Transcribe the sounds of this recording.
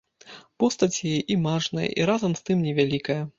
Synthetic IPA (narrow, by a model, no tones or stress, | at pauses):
pɔst̪ɐt͡sʲjajɛʔimaʐnɐ̰jɐ̰ʔḭɾazɐmst̪ɨmnʲɛvʲalʲikɐjɐ